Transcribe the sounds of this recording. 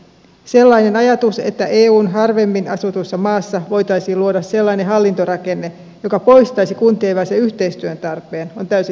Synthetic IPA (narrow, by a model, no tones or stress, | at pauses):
se̞lːɑine̞nɑjɑt̪use̞̰t̪ːæʔeːuːnɦɑrʋe̞mːinɑsut̪usːɑmɑːsːɑʋo̞jt̪ɑisiːluo̞dɑsse̞lːɑineɦɑlːint̪o̞ɾɑke̞nːe̞ | jo̞kɑpo̞jst̪ɑjsikunt̪ieːʋæseyçt̪e̞jst̪yønt̪ɑrpˑe̞ːno̞nt̪æysi